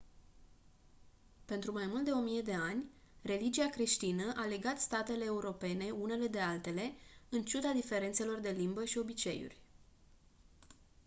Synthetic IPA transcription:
pe̞nt̪ɾumajmult̪̚d̪e̞o̞mije̞d̪e̞anʲ | re̞lid͡ʒiakɾe̞ʃt̪inəʔale̞ɡat̪st̪at̪e̞le̞ːuɾo̞pe̞ne̞une̞le̞d̪e̞alt̪e̞le̞ɨnt͡ʃud̪ad̪ife̞ɾe̞nt̪se̞lo̞rd̪e̞limbəʃio̞bit͡ʃe̞̰jṵrʲ

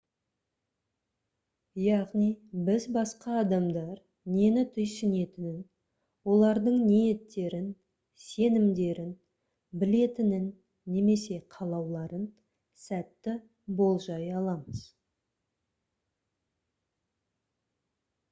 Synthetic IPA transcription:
jɑʁnijbɪzbɑsqɑːd̪ɑmd̪ɑɾ | ne̞nɪt̪ʰʏjsɪne̞t̪ɪnɪn | wo̞lˠɑɾd̪əɴnije̞t̪ːe̞ɾɪn | se̞nɪmd̪e̞ɾɪn | bɪle̞t̪ɪnɪnː | e̞me̞se̞qʰɑlˠɑwlˠɑɾən | sæt̪ːɪ | bo̞lˠʒɑjɑlˠɑməz̥

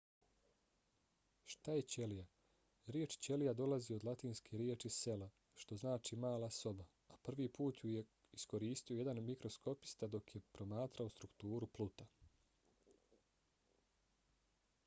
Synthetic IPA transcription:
ʃt̪aje̞t͡ɕe̞lija | ɾjeːt͡ʃt͡ɕe̞lijad̪o̞lazio̞d̪lˠat̪iːnskʰeɾjeːt͡ʃise̞la | ʃt̪o̞znaːt͡ʃimaːlˠaso̞ba | apr̩ʋipuːt̪juje | isko̞ɾiːst̪iojed̪anmikɾo̞skʰo̞pi̥st̪ad̪o̞kje̞pɾo̞maːt̪ɾaost̪ɾukt̪uːɾuplˠut̪a

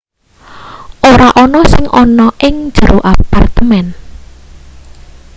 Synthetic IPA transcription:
ʔoɾaʔɔnɔsɪŋʔɔnɔʔɪŋ̥d͡ʒ̥əɾoʔapart̪əmɛn

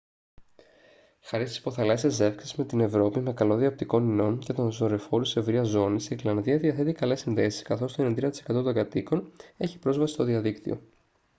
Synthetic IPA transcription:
xɐɾist̪ispo̞θɐlɐsiɐze̞fksizme̞t̪ine̞vɾo̞pime̞kɐlo̞ðiɐp̚t̪iko̞nino̞nce̞t̪o̞nzo̞ɾe̞fo̞ɾuse̞vɾiɐzo̞nisiiɾlɐnðiɐðiɐθe̞t̪ikɐle̞sinðe̞si̥skɐθo̞st̪oenend̪inɐt̪i̥sekɐt̪o̞t̪o̞ŋɡɐt̪iko̞ne̞çi̥pɾo̞zvɐsist̪oðiɐðikt̪ḭo̞̰

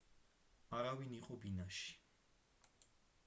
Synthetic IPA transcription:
aɾaviniqʼɔbinaʃi̥

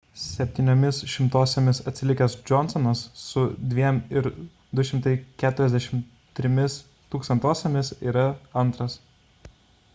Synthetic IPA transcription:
sʲɛpʲt̪ʲiːnʲoːmʲɪsʃʲɪmt̪oːsʲemʲɪsɐt̪ʲsʲɪlʲɪkʲɛsd͡ʒɔnsɔnɐsːʊd̪ʲʋʲiɛmɪɾ | d̪ʊʃʲɪmt̪ɐɪkʲæːt̪ʊɾʲɛzʲd̪ʲæɛʃʲɪm | t̪ʲɾʲɪmʲɪs | t̪uːkst̪ɐnt̪oːsʲemʲɪsiːɾɐɐnˑt̪ɾɐs

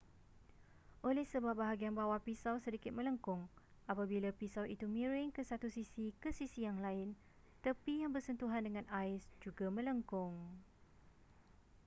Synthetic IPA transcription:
ʔolɛhsəbap̚baɦaɡianbawapisawsədikɪt̪̚mə̃ləŋkʊŋ | apabilapisawit̪umĩɾɪŋkəsat̪usisikəsisijaŋlaɪn | t̪əpijaŋbərsənt̪uɦandəŋãnaɪsd͡ʒuɡamə̃ləŋkʊŋ

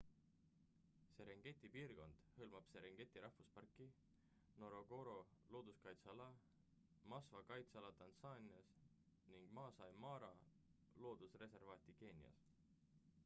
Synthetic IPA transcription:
seɾeŋɡ̥e̞t̪ːˑipiːrko̞nd̪̥hɤlmɑb̥seɾeŋɡ̥e̞t̪ˑːiɾɑhvuspɑrkːˑi | no̞ɾo̞ɡo̞ɾo̞lo̞ːd̪̥uskɑjt̪sɑlɑ | mɑsvɑkɑjt̪sɑlɑt̪ɑnsɑnʲiɑs | niŋɡ̥mɑːsɑjmɑːɾɑ | lo̞ːd̪̥usre̞se̞rvɑːt̪ʲike̞ːnʲiɑ̰s

